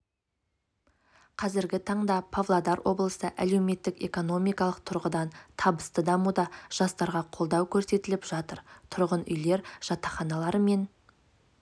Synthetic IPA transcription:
qʰɑzɪɾɡʲɪt̪ʰɑɴd̪ɑpʰavlˠad̪ɑɾwʔo̞̰blˠəsəʔæ̰le̞wme̞t̪ːɪke̞̰ko̞no̞mijkɑlˠəq̚t̪ʰʊɾʁəd̪ɑnt̪ʰɑbəst̪əd̪ɑmud̪ɑʒ̥ɑst̪ɑɾʁɑqʰo̞lˠd̪ɑwkʲʰɵɾse̞t̪ɪlɪpʒ̥ɑt̪əɾt̪ʰʊɾʁənʏ̰jle̞ɾʒ̥ɑt̪ɑχɑnɑlˠɑɾəme̞n

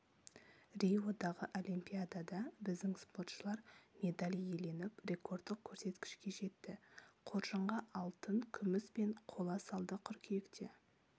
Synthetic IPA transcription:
rʲijwod̪ɑʁəʔo̞lʲimpʲijad̪ad̪ɑbɪzd̪ɪŋspo̞rt̪ʃəlˠɑɾmʲe̞d̪alʲije̞le̞nɪprʲe̞ko̞rd̪ːɪq̚kʲʰɵɾse̞t̪kʲɪ̥ʃkʲe̞ʒe̞t̪ːɪqʰo̞ɾʒəɴʁɑʔɑlˠt̪əŋkʲʰʏmɪspe̞ɴqʰo̞lˠɑsɑlˠd̪əqʰʏɾkʲʰijekt̪e̞̰

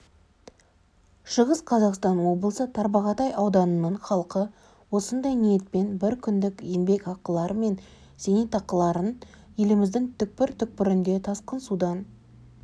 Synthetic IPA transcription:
ʃəʁəsqʰɑzɑqst̪ɑnwo̞blˠəsət̪ʰɑɾbɑʁɑt̪ɑjɑwd̪ɑnənəɴχɑlˠqə | wo̞sənd̪ɑjnije̞t̪̚pe̞nbɪɾkʲʰʏnd̪ɪkembe̞kɑqːəlˠɑɾəme̞n | se̞nit̪ʰɑqqːəlˠɑɾən | je̞lɪmɪzd̪ɪŋt̪ʰʏk̚pɪɾt̪ʰʏk̚pɪɾɪnd̪e̞t̪ʰɑsqənsud̪ɑn

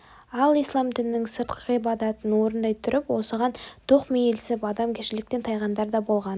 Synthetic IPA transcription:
ɑlˠijslˠɑmd̪ɪnːɪŋsəɾt̪̚qəʁibɑd̪ɑt̪ənwo̞ɾənd̪ɑjt̪ʰʊɾɪpwo̞səʁɑnt̪ʰoqmejelsɪpɑd̪ɑmkʲʰeʃɪlɪk̚t̪e̞nt̪ʰɑjʁɑnd̪ɑɾd̪ɑbo̞lˠʁɑn

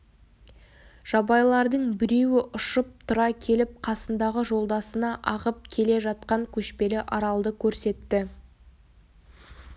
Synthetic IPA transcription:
ʒ̥ɑbɑjlˠɑɾd̪əɴbɪɾe̞wɪʔʊʃəp̚t̪ʰʊɾɑkʲʰe̞lɪp̚qʰɑsənd̪ɑʁəʒo̞lˠd̪ɑsənɑʔɑʁəp̚kʲʰe̞le̞ʒɑt̪̚qɑŋkʲʰɵʃpe̞lɪʔɑɾɑlˠd̪əkʲʰɵɾse̞t̪ːɪ

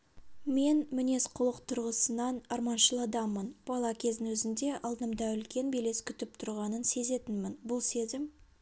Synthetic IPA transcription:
me̞nmɪne̞sqʰʊlˠəqt̪ʰʊɾʁəsənɑnɑɾmɑnʃəlˠɑd̪ɑmənb̥ɑlˠɑkʲʰe̞zɪnwɵzɪnd̪e̞ʔɑlˠd̪əmd̪ɑʏlkʲe̞nbele̞skʲʰʏt̪ɪp̚t̪ʰʊɾʁɑnənse̞ze̞t̪ɪnmɪnbʊlˠse̞zɪm

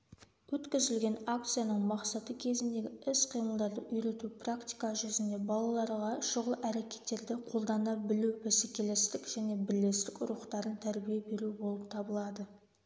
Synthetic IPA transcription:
wɵt̪kʲɪzɪlɡʲe̞nak̚t̪sɨjanəɴmɑqsɑt̪əkʲʰe̞zɪnd̪e̞ɡʲɪɪsqʰijməlˠd̪ɑɾd̪ə̰ʔʏjɾe̞t̪uprakt̪ijkaʒʏzɪnd̪e̞bɑlˠɑlˠɑɾʁɑʃʊʁlˠʔæɾe̞kʲe̞̥t̪ːe̞ɾd̪ɪqʰo̞lˠd̪ɑnɑbɪlubesekʲe̞lest̪ɪkʒ̥æne̞bɪlːe̞st̪ɪkʲʊ̰ɾuχt̪ɑɾənt̪ʰæɾbijebe̞ɾubolˠəp̚t̪ʰɑbəlˠɑd̪ə

